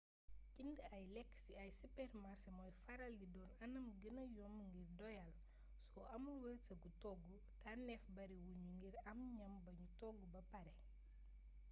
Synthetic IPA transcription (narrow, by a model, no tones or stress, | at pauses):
cindɐjlɛkːsiɐjsupɛɾmaɾsɐmɔjfɐɾɐlɟidɔːnɐnɐmɡənɐjɔmŋɡirdɔjɐl | sɔɐmulwəlsɐɡutɔɡu | tanɛfbɐɾiwuɲuŋɡiɾɐmɲɐmbɐɲutɔɡubɐpɐɾɛ